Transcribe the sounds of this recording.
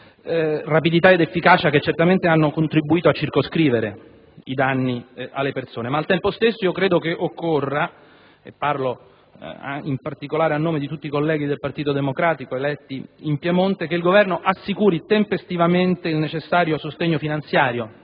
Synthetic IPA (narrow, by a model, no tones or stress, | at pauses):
rapid̪it̪aed̪efːikaːt͡ʃaket͡ʃːert̪ament̪eanːokont̪ɾibːuiːt̪oat͡ʃːirkoskɾiːveɾe | id̪anːialːepersoːnemaːlt̪ɛmpost̪esːoiokɾeːd̪okeʔokːorːa | ḛpːarlo̰ | impart̪ikolaːɾeanːoːmed̪it̪ut̪ːikolːɛːɡ̟id̪elpart̪iːt̪od̪emokɾaːt̪ikoelɛt̪ːiimpjemont̪ekeilɡovɛrnoʔasːikuːɾit̪empest̪ivament̪eilnet͡ʃesːaːɾjosost̪eɲːofinant̪sjaːɾjo